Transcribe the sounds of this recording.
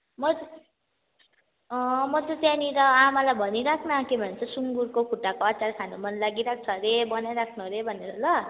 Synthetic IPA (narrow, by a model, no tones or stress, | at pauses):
mʌ | mʌt̪ʌt̪janiɾʌamalajbʱʌniɾakʰnakebʱʌnent͡sʰʌsuŋɡuɾkokʰuʈːakoʌt͡sarkʰanomʌnlaɡiɾak̚ʰt͡sʰʌɾebʌnajɾakʰnʌɾebʱʌnːeɾʌlʌ